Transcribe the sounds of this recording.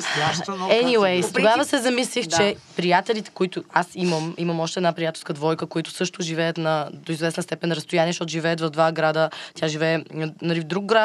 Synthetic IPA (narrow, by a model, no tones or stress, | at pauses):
aɛniwejst̪oɡavvəsɛzɐmislixt͡ʃt͡ʃɛpɾijat̪ɛlit̪ɛ̥koit̪ʊasiməmiməmɔʃt̪ɛd̪napɾijat̪ɛlˠskəd̪vɔjkəkoit̪ʊ̥sɤʃt̪ʊʒivɛjət̪nɐd̪oizvɛsnəst̪ɛpɛnɾɐst̪ojaniɛʃt̪ɔt̪ʊʒivɛːt̪vɐvd̪vaɡɾad̪ət̪ʲjaʒivɛːnnɐɾifd̪ɾuk̚ɡɾa